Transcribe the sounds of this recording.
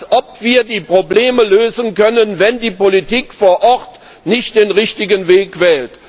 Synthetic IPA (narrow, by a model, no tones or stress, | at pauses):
sʔɔpv̥iːɐdiːpʁ̥obleːməløːzənkœnənvɛndiːpolitiːkfoːɐʔɔʁt | nɪçt̚d̥eːnʁɪçtɪɡənveːkv̥ɛːlt